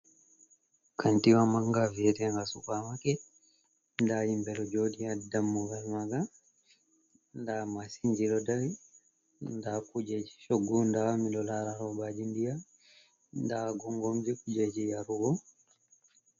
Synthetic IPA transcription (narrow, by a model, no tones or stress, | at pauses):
kʰantiwamaŋɡavɛtɛŋɡasukamakɛ | ndaimbɛlɔd͡ʒodiadamːuɡalmaɡa | ndamasiɲd͡ʒilɔdawi | ndakud͡ʒed͡ʒi̥ʃɔɡːundamilɔlaɾaɾɔbad͡ʒindija | ndaɡɔŋɡɔmd͡ʒɛkud͡ʒed͡ʒijaɾuɡɔ